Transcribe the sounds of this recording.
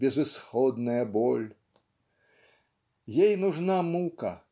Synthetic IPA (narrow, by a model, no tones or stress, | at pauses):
bʲɛzusxɔd̪nɐjɐbɔlʲ | jejnuʐnamukɐ